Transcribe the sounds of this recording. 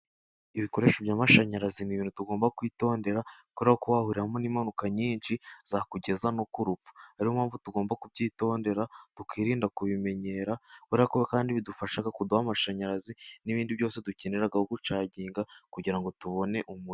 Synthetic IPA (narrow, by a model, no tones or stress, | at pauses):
iβiko̞ɾe̞ːʃobjaːmaʃaɲaɾaziniβiːntutuɡo̞ːmbakwiːto̞ːnde̞ɾakuɾiɾahokuβahuɾiɾamoniːmanukaɲiːnʃiz̥aakuɟe̞zanokuɾupp͡fu̥aɾiwomhaːɱvutuɡo̞ːmbakubɟiːto̞ːnde̞ɾatukiːɾiːndakuβime̞ɲe̞ːɾakuɾiakoβekaːndiβidufaʃaɡakuduamaʃaɲaɾaziniβiːndiβjo̞ːse̞duce̞neɾaɡahoɡut͡ʃaːɟiːŋɡakuɟiɾaŋɡo̞tuβo̞ne̞ʔumuɾ